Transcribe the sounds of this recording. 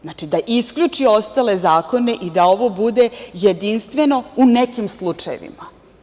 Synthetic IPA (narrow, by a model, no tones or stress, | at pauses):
znaːt͡ʃid̪aʔiskʎut͡ʃio̞st̪ale̞zaːko̞ne̞ʔid̪ao̞ʋo̞bud̪e̞jed̪inst̪ʋe̞no̞unekimslˠut͡ʂajḛʋḭma